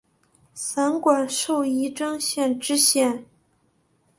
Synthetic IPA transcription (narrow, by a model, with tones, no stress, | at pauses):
sa˧˥nkwa˨˩nʂo˥˩ʊi˧˥ʈ͡ʂɤ˥ŋɕjɛ˥˧nʈ͡ʂɻ̩˥ɕjɛ˥˩n